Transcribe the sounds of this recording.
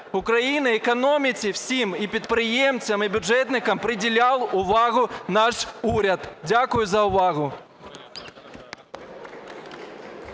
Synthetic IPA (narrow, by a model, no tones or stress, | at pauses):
ʊkɾɐjinɐɛkɔnɔmʲɪt͡sʲiw̥sʲimipʲid̪̚pɾɪjɛmt͡sʲɐmɪbʲʊʐɛt̪nɪkɐmpɾɪdʲɪlʲalˠʊʋɑɣʊnɑʂuɾʲɐd̪dʲakʊjʊzɐʊʋɑɣʊ